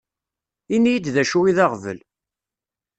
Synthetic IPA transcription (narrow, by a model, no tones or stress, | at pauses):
inijid̪ðæʃuiðɑʁvə̰l